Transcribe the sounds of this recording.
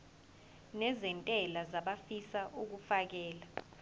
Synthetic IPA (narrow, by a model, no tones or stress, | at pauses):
nɛzɛntʼɛlazaɓafisaʔuk̬ufak̬ɛːla